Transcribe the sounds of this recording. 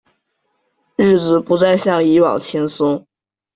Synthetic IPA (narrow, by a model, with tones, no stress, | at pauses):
ɻ̩˥˩t͡sɹ̩˨˩pu˧˥t͡sa˥˧ɪɕjɑ˥˩ŋi˧˥wɑ̰˨˩ŋt͡ɕʰjɛ˥nsʊ˥ŋ